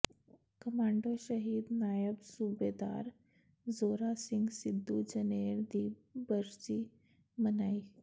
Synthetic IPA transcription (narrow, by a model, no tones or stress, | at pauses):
kəmaɳɖoɕəɦiːd̪najəbsubed̪a̰ɾ | d͡zoɾasiŋɡsid̪ʱːud͡ʑəneɾd̪iːbəɾt͡ɕiː | mənai